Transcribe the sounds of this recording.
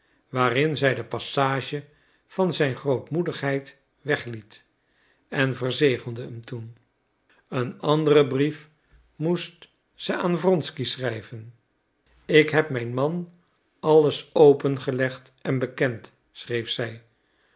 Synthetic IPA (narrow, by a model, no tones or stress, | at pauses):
ʋaːrɪnzɛjdəpɑsaːʒə | v̥ɑnzɛjnχrowtmudəχɦɛjt | ʋɛχlit | ɛnvərzejχəlˠdəəmtun | ənɑndərəbrif | must | səaːnvrɔnskisrɛjvən | ɪkɦɛp̚mɛjnmɑn | ɑləsowpənχəlɛχt | ɛnbəkɛnt | srejfsɛj